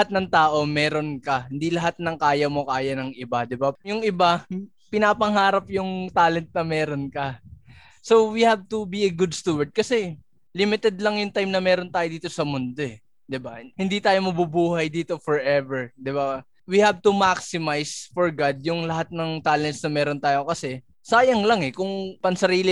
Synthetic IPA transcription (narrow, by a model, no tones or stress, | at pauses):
at̪̚nɐŋt̪aːʔo̞mɛːɾo̞nkɐhɪnd̪ilɐɦat̪̚nɐŋkaːjɐmo̞kaːjɐnɐŋʔɪbad̪ɪbajʊŋʔɪba | pɪnaːpɐŋhaːɾɐp̚jʊŋt̪aːlɛnt̪̚nɐmɛːɾo̞nkɐ | so̞wihab̚t̪ʊbiɐɡʊd̪st̪uwɐɹd̪̚kɐsɛ | lɪmɪt̪ɛd̪̚lɐŋjʊŋt̪ajmnɐmɛːɾo̞nt̪aːjod̪iːt̪o̞sɐmʊnd̪o̞ɛ | d̪ɪbahɪnd̪it̪aːjo̞mɐbubuːhɐjd̪iːt̪o̞fɔɹʔɛvɛɹd̪ɪba | wihab̚t̪umaksɪmajsfoɹɡad̪̚jʊŋlɐhat̪̚nɐŋt̪aːlɛnt̪̚snɐmɛːɾo̞nt̪aːjokɐsɛ | saːjɐŋlɐŋɛkʊŋpɐŋsɐɾiːlɪ